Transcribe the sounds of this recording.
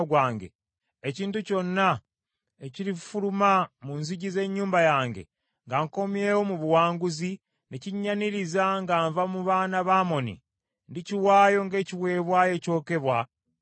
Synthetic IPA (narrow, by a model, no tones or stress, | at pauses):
ɡwaːŋɡe̞̰ | eciːntuco̞nːa | eciɾifulumamunziɟize̞ɲːuːmbajaːŋɡḛ | ŋɡaŋko̞mje̞wo̞muβuwaːŋɡuzi | neciɲːaniɾizaŋɡaːɱvamuβaːnaβaːmo̞nḭ | ndiciwaːjo̞ŋɡe̞ːciβwe̞ːβwaːje̞co̞ːke̞βwa